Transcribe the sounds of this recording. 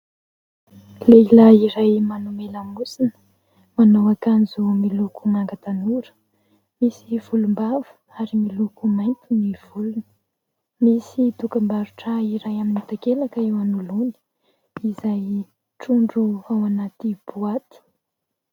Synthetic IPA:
leilaiɾajmanumelamusinə̥ | manowakanzumilukunaŋɡat̪anuɾə̥ | misiv̥ulumbavu̥ | aɾimilukumajnt̪iniv̥ulunə | misit̪ukambaɾuʈ͡ʂaiɾajaminit̪akelakəewanuluni̥ | izaj | ʈ͡ʂuɳɖ͡ʐuawanat̪ib̥uat̪i̥

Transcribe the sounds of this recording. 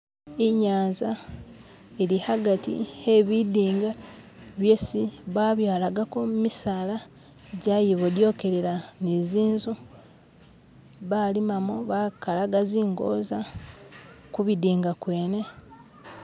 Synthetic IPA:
iɲaːnza | eɾihaɡatḭheβidiːŋɡa | βje̞siβaβjaːlaɡakomumisaːla | ɟajiβodjo̞ːke̞ɾeɾaniziːnzu | βalimamoβakalaɡaziːŋɡo̞̰ːza | kuβidiːŋɡakwe̞ːne̞

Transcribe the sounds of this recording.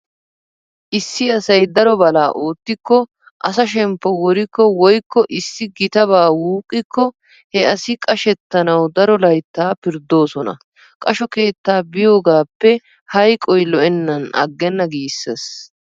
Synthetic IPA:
ʔɪsːɪɐsɐjd̪ɐɾɔbɐlaːʔo̞ːt̪ːɪkːɔ | ʔɐsɐʃɛmpːɔwɔɾɪkːɔwɔjkːɔʔɪsːɪɡɪt̪ɐbaːwuːkʼːɪkːɔ | hɛɐsɪkʼɐʃɛt̪ːɐnɐwd̪ɐɾɔlɐjt̪ːaːpɪɾd̪o̞ːsɔnɐ̰ | kʼɐʃɔke̞ːt̪ːaːbɪjo̞ːɡaːpːɛ | hɐjkʼɔjlɔʔɛnːɐnɐ̰ɡːɛnːɐɡiːsːes

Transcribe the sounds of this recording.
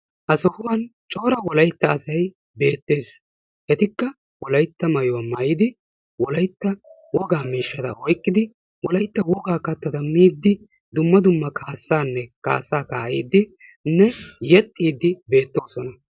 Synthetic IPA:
ʔɐsɔhʊwɐnt͡ʃʼo̞ːɾɐwɔlɐjt̪ːɐːsɐj | be̞ːt̪ːe̞ːs | ʔɛt̪ɪkːɐ | wɔlɐjt̪ːɐmɐjɔwɐmɐjɪd̪ɪ | wɔlɐjt̪ːɐ | wɔɡaːmiːʃːɐd̪ɐ̰ʔɔjkʼːɪd̪ɪ | wɔlɐjt̪ːɐwɔɡaːkɐt̪ːɐd̪ɐmiːd̪ːɪ | d̪ʊmːɐd̪ʊmːɐkʰaːsːaːnːɛka̰ːsːaːkaːḭːd̪ːɪ | nːɛjɛt̪ʼːiːd̪ːɪbe̞ːt̪ːo̞ːsɔnɐ

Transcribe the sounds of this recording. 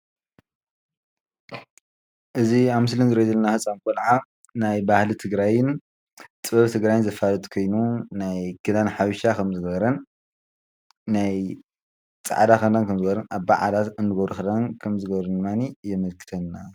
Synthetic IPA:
ʔɨziamɨslɨnzɨɾɐzɐlnafɨt͡sʼːamkʼolʕa | najbahlit̪ʰɨɡɾajɪn | t͡sʼɨbɐβt̪ʰɨɡɾajɪnzɐfalɐt̪ʼkʰo̞jnunajɡɨd̪anħaβʃakʰɐmzɨɡɐβɾɐn | aj | t͡sʼa̰ʕad̪akɐnd̪ankʰɐmzɨɡɐβɾɐnʔaβba̰ʕa̰lat̪ɨnːɨɡɐβɾxɐd̪ankʰɐmzɨɡɐβɾɨd̪ɨmanijɛmɐlkʰɨ̥t̪ʰɐnːa

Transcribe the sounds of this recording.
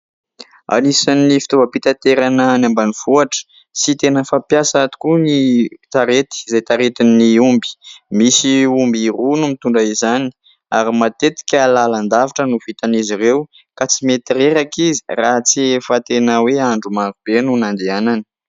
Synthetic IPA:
a̰nisanːifi̥t̪ovəpit̪at̪eɾanənambaniv̥uaʈ͡ʂə̥ | sit̪enəfapjasaat̪u̥kunit̪aɾet̪i̥zajt̪aɾet̪iniumbi̥misiumbirunumit̪uɳɖ͡ʐaizani̥ | aɾimat̪et̪i̥kʲalaland̪avaʈ͡ʂənuv̥it̪aniziɾew | kat͡simet̪iɾeɾakizi̥rat͡siefat̪enəweaɳɖ͡ʐumaɾub̥enunand̪eananə̥

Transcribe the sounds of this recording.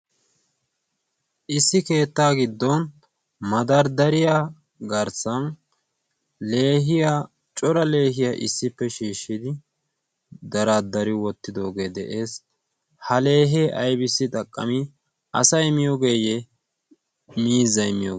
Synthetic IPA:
ʔɪsːɪke̞ːt̪ːaːɡɪd̪ːɔn | mɐd̪ɐɾd̪ɐɾɪja | ɡɐɾsɐn | le̞ːɦɪjaː | t͡ʃʼɔɾɐle̞ːɦɪjaʔɪ̰sːɪpːɛʃiːʃːɪd̪ɪ | d̪ɐɾaːd̪ɐɾɪwɔt̪ːɪd̪o̞ːɡe̞ːd̪ɛʔe̞ːs | hɐle̞ːɦeːʔɐjbɪsːɪt̪ʼɐkʼːɐ̰mɪ | ʔɐ̰sɐjmɪjoɡeːjɛ | miːzɐjɪmɪjo̰

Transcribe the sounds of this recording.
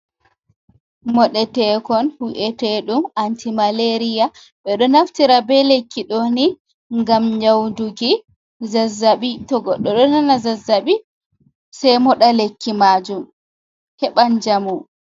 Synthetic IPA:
mɔɗɛtɛkɔnhuʔɛtɛɗumantimaleɾija | ɓɛɗɔnaftiɾabɛlekːiɗoni | ŋɡamɲawnduɡi | zazːaɓitɔɡɔɗːɔɗɔnanazazːaɓi | sɛjmɔɗalekːimaːd͡ʒum | hɛɓand͡ʒamu

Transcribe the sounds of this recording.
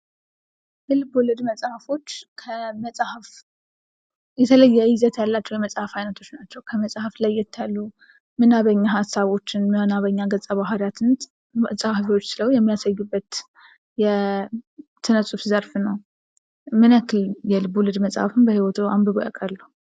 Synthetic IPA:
jɛlɨbolɨd̪məsʼhafo̞t͡ʃːkʰəməsʼhaf | jɛt̪ʰələjːɛizət̪jalːat͡ʃːɛwjɛməsʼhafhajnət̪ʰo̞t͡ʃːnat͡ʃːɛwkʰəməsʼhaflajːɛt̪ʰːalːu | mɨnaβəɲːaɦasaβo̞t͡ʃːɪnmənaβəɲːaɡət͡sʼːəβaɦaɾat̪ʰɨnt̪ | məsʼahfot͡ʃːsɨləwjɛmːijasajːubːət̪ | jɛ | t̪ʰːɨnəsʼufzəɾfnəw | mɨnakʰɨljɛlɨbːolɨd̪məsʼhafɨnbəhiwɔt̪ʰua̰mbəβoʔa̰kʼəɾlːu

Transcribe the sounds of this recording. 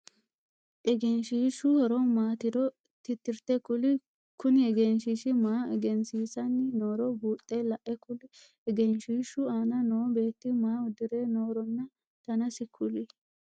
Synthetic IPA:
ʔɛɡɛnʃiːʃʊhɔɾɔmaːt̪ɪdɔ | t̪ɪt̪ːɪɾt̪ɛkʊlɪ | kʊnɪɛɡɛnʃiːʃɪmaːɛɡɛnsiːsɐnːɪnoːɾɔbuːt̪ʼːelɐʔɛkʊlɪ | ɛɡɛnʃiːʃʊaːnɐnoːbe̞ːt̪ːɪmaːʊd̪ɪɾeːnoːɾɔnːɐ | t̪ɐnɐsɪkʰːʊlɪ

